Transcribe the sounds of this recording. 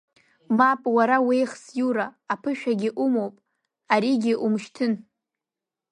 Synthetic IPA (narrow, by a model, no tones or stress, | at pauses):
mapʼwaɾawejχsjuɾaːpʰɨʃᶣaɡʲɪʔumowpʼ | aɾiɡʲɪʔumʃtʰɨn